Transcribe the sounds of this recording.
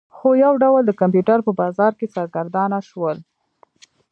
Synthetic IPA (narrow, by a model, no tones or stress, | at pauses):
xojawɖawəld̪əkamp̬juʈaɾpəbɑzɑɾket͡sɑɾɡaɾd̪ɑnaʃwəl